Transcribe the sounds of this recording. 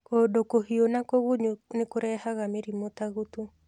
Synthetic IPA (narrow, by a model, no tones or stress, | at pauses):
kodokoɦionakoɣuɲonɪkoɾɛhaɣameɾimot̪aɣut̪u